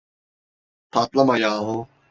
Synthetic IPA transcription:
t̪ʰaːt̪lɐmajaːɦo

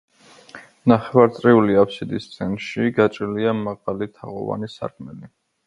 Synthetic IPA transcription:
naχɛvaɾt̪sʼɾiuliapʰʃid̪ist̪sʼʰɛnʃiɡat͡ʃʼɾiliamaʁalit̪ʰaʁɔ̰va̰nisa̰ɾkʰmɛli

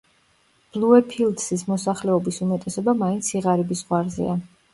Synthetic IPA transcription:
b̥lˠuɛpʰilˠd̪sismɔsaχlɛɔbisumɛt̪ʼɛsɔbamaint̪sʰiʁaɾibisʁwaɾzɛ̰a

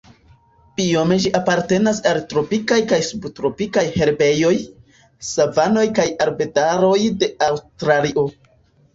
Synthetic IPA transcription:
pio̞me̞ʒiʔapaɾte̞nasaltɾo̞pikajkajsubtɾo̞pikajhe̞ɾbe̞jo̞j | savano̞jkajaɾbe̞daɾo̞jde̞awstɾaliʔo̞

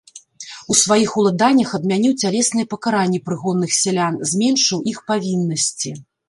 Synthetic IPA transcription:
usvajixulˠad̪anʲːɐxɐb̪mʲanʲiwt͡sʲalʲɛsnɨjɛpɐkaɾanʲːɛpɾɨɣɔdnːɨxsʲɛlʲanzʲmʲɛnʂɨwʔixpavʲinːɐsʲt͡sʲi

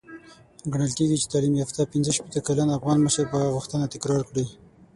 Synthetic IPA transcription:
ɡaɳəlkeɡit͡ʃe̥t̪ɑlimjɑft̪apinzəʃpet̪əkalanafɣɑnməʃəɾpaɣʊxt̪ənat̪ɪkɾɑɾkɽi

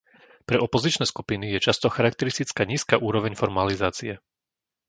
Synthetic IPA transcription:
pɾɛʔɔpɔzit͡ʃnɛːskupinijɛt͡ʃast̪ɔxaɾak̚t̪ɛɾist̪it͡skaːɲiːskaʔuːɾɔʋɛɲfɔɾmalizaːt͡siɛ

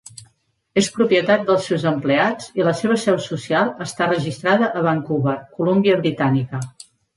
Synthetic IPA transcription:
espɾupjət̪at̪̚d̪əlˠsɛwzəmplead͡ziləseβ̞əsɛwsusialˠəst̪arəʒist̪ɾaðəʔəβaŋkuβəkulumbiəβɾit̪anikə

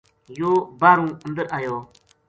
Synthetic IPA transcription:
joːbaːɾũːə̃nd̪əɾʔaːjoː

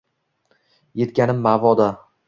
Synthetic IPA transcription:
je̞t̪kʲanɪmːavɒd̪a

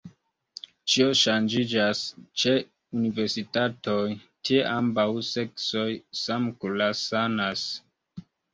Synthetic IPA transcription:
t͡ʃio̞ʃand͡ʒid͡ʒast͡ʃe | unive̞ɾsitato̞j | tʰieʔambawse̞kso̞jsamkulasanas

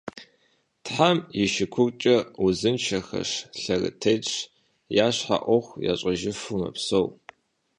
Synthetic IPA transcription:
tħamjɪʃɪkʷʰʊrt͡ʃʼɐʊzɨnt͡ʃʰɐxɐ̰ʂɬɐrɨ̰tʰejt͡ʃʼ | jaːɕħa̰ʔʷɔxʷja̰ːɕʼɐʒɪfumɐ̰psow

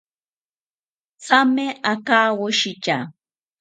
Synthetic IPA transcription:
t͡samɪʔakaːwʊʃɪt͡ʃa

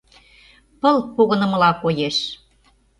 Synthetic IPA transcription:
pə̆lpoɣə̆nə̆mə̆lɑkojeʃ

